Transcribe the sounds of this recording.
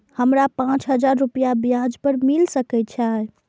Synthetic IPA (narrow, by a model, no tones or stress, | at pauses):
həmɾapãt͡ʃɦəd͡ʒaɾːupijabijãd͡ʒpəɾmilsəkɛjt̪̚t͡ʃʰae